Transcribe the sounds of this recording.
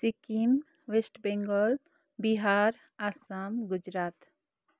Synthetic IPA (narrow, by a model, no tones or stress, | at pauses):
sikim | wesʈbɛŋɡɔl | biɦaɾ | asamɡud͡ʒɾat̪